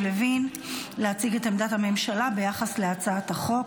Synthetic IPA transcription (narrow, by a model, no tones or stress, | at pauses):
levin | leat͡siɡetemd̪athame̞mʃalabe̞jaχasle̞at͡saataχo̞